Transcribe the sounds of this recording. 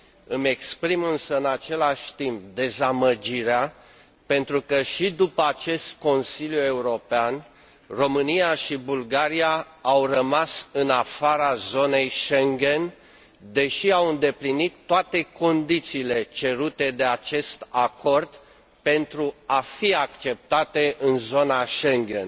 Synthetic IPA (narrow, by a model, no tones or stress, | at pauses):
ɨme̞kspɾimɨnsəɨnat͡ʃe̞laʃʲt̪imp̚d̪e̞zaməd͡ʒiɾea | pe̞nt̪ɾukəʃid̪upəat͡ʃe̞st̪̚ko̞nsilʲjue̞uɾo̞pean | ro̞mɨnijaʃibulɡaɾia | awrəmasɨnafaɾazo̞ne̞jʃe̞ŋɡʲe̞n | d̪e̞ʃiawɨnd̪e̞plinit̪ːoat̪e̞ko̞nd̪it̪siːle̞t͡ʃe̞ɾut̪e̞d̪e̞at͡ʃe̞st̪akʰo̞rd̪ | pe̞nt̪ɾuafiakt͡ʃe̞p̚t̪at̪e̞ʔɨnzo̞naʃe̞ŋɡʲe̞̰n